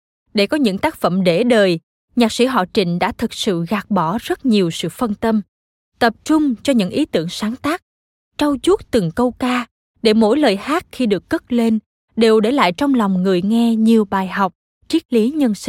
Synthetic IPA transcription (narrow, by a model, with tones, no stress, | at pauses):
ɗe˧˩kɔ˨˦ɲɨ̰˧˥ŋt̪aː˦˥k̚fə̰˧˨mɗe˧˩ɗəː˨˩j | ɲaː˨˩k̚sḭ˧˥˩ɦɔ̰˧˨t͡ɕï˧˩ŋ̟ɗa̰ː˧˥t̪ʰɨ˨˩k̚sɨ̰˧˨ɣaː˨˩k̚ɓɔ˧˩zə˦˥t̚ɲi˨˩əwsɨ̰˧˨fə˧nt̪ə˧m | t̪ə˨˩p̚t͡ɕʊ˧ŋ͡mt͡ɕɔ˧ɲɨ̰˧˥ŋʔi˨˦t̪ɨ˧˩əŋsaː˨˦ŋt̪aː˦˥k̚ | t͡ɕa˧wt͡ɕu˦˥t̚t̪ɨ˨˩ŋkə˧wkaː˧ | ɗe˧˩mo̰˧˥jləː˨˩jhaː˦˥t̚xi˧ɗɨ˨˩əkːə˦˥t̚le˧n | ɗe˨˩wɗe˧˩la̰ː˧˨jt͡ɕɔ˧wŋ͡mlɔ˨˩wŋ͡mŋɨ˨˩əjŋɛ˧ɲi˨˩əwɓaː˨˩jɦa˨˩wk͡p̚ | t͡ɕi˦˥t̚li˨˦ɲə˧nsi˧˩